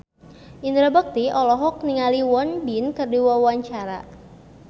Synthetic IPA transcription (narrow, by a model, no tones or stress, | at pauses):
ʔind̪ɾabək̚t̪iɔlɔɦɔk̚niŋaliwɔnbinkərdiwawaɲt͡ʃaɾa̰